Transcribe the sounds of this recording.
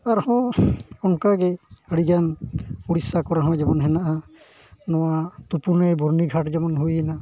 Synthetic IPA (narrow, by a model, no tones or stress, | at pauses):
aɾhɔ̃ɔnkaɡɛhəɽid͡ʒanuɽisakɔɾaɦɔ̃d͡ʒɛmanɦɛnaʔa | nɔwat̪upunajbɔɾniɡʱaʈd͡ʒɛmɔnɦujɛna